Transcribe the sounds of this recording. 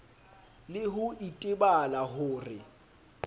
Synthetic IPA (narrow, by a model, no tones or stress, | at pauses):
lɪɦʊitʼɪbalahʊːrɪ